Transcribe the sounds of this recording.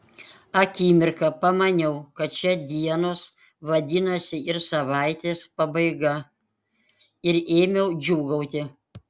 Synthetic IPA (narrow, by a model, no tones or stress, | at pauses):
ɐkʲiːmʲɪɾkɐpɐmɐnʲɛʊkɐt̪̚t͡ʃʲɛd̪ʲiɛnoːs | ʋɐd̪ʲɪnɐsʲɪɪɾsɐʋɑɪt̪ʲeːspɐbɐɪɡɐ | ɪɾeːmʲɛʊd͡ʒʲuːɡɐʊt̪ʲɪ